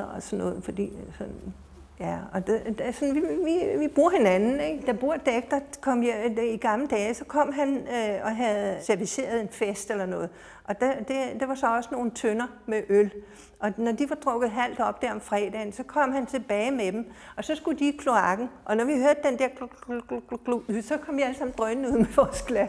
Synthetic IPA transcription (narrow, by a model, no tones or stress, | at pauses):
ɒsɒnːɔ̽ːð̩ˠfɒ̽d̥ḭːsɒ̽n | jæɒd̥ed̥sɒnʋiʋiʋib̥ʁuɐ̰he̝nænn̩eɡ̥d̥ɑ̈b̥ʁuɐ̰d̥eɡ̥̚d̥ɐkʰɒ̽m̰jeiɡ̥ɑ̈mləd̥ɛːsɒ̽kʰɒ̽m̰ɦænøɒ̽ɦæð̩ˠseɐʋise̝̰ːɐð̞̩ˠe̝nfesd̥elɐnɔ̽ːð̩ˠ | ʔɒ̽d̥ed̥ed̥e̝ʋɑ̈sɒ̽ɒ̽səno̝ːn̩t͡sʰønɐmeʔøl | ʔɒ̽nɒd̥iʋɑ̈d̥ʁɔ̽ɡ̥ð̩ˠɦæl̰d̥ɒ̽b̥d̥æɐɒ̽mfʁɛ̰ːd̥ɛ̰nsɒ̽kʰɒ̽m̰ɦænt͡sʰe̝b̥ɛːɪmed̥emɒ̽sɒ̽sɡ̥ud̥iːkʰlo̝ɑ̈ɡ̥n̩ʔɒ̽nɒʋihøɐd̥̚ːend̥eɐ̥ | lubsɒ̽kʰɒ̽mʋiæləsɑ̈m̰n̩d̥ʁœnn̩uð̰ˠmeʋɒːsɡ̥læ